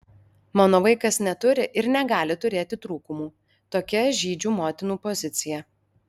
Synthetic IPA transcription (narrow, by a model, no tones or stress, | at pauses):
mɑːnoːʋɐɪkɐsnʲɛt̪ʊɾʲɪʔɪɾnʲɛɡɑːlʲɪt̪ʊɾʲeːt̪ʲɪt̪ɾuːkʊmuː | t̪oːkʲɛʒʲiːd͡ʒʲuːmoːt̪ʲɪnuːpɔzʲɪt̪sʲɪjɛ